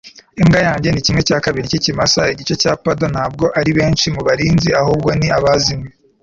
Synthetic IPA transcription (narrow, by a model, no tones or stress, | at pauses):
iŋɡajaːɲɟe̞nicimŋecaːkaβiɾicicimasaiɟit͡ʃe̞caːpado̞nhaːb̚ɡo̞ʔaɾiβe̞ːnʃimuβaɾiːnziahuːb̚ɡo̞niaβazimŋe